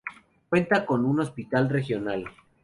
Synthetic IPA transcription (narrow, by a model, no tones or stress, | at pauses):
kwe̞nt̪ako̞nuno̞spit̪alre̞xjo̞nal